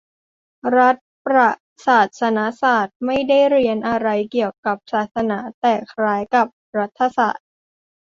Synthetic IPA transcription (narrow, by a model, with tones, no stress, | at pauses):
ɾa˦˥t̪̚pɾa˧˩ | saː˨˩t̪̚sa˧na˦˥saː˨˩t̪̚ma˥˩jda˥˩jɾi˧ənʔa˧ɾa˧jki˨˩əwka˨˩p̚saː˨˩t̪̚sa˧naː˩˦t̪ɛː˨˩kʰɾaː˦˥jka˨˩p̚ɾa˦˥t̪ʰːa˧sa̰ː˨˩t̪̚